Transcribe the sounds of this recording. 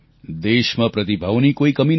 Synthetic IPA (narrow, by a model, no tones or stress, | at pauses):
d̪esmapɾʌt̪ibʱawnikoikʌmin